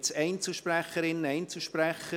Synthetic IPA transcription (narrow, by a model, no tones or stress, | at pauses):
t͡sɛɪnt͡səʃpræχəɾɪnːɛɪnt͡slʃpræχə